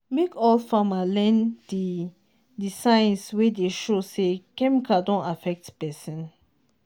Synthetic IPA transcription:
mekɔlfamalɛ̃ndi | disãj̃nswedeʃosekɛmikʰadɔ̃ntafɛk̚tpɛsĩn

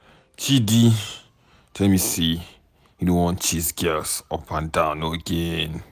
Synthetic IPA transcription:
t͡ʃʰidi | tʰɛlmisi | judõnwɔ̃nt͡ʃisɡɛlsɔpʰãndãʊ̃nːoəɡẽn

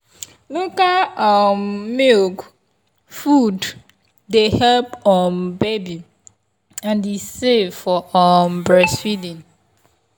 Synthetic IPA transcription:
lokaɔmmilk | fud | dehɛlpɔnbebi | ãndesevfɔɔmbɹɛsfidĩn

